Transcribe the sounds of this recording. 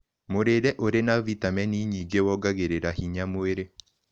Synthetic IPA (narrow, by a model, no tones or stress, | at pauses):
moɾeɾɛʔoɾenavitamɛniɲiːɡewɔɡaɣeɾeɾahiɲamoeɾe